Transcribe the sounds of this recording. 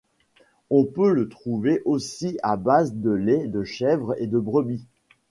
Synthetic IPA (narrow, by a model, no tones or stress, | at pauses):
ɔ̃pølət̪χuveʔosiabazd̪əlɛd̪əʃɛvʁḛd̪əbʁəbi